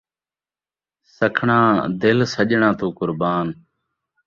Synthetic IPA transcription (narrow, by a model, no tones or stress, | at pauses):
səkʰɳãːd̪ɪlsəʄɳãːt̪uːkʊɾbaːn